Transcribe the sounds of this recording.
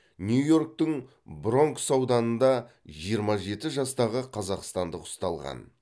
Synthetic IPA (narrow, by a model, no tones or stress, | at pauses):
nʲjujo̞rk̚t̪əŋ | bɾo̞ŋksɑwd̪ɑnənd̪ɑ | ʒijəɾmɑʒe̞t̪ɪʒɑst̪ɑʁəqʰɑzɑqst̪ɑnd̪əqʊ̥st̪ɑlˠʁɑ̰n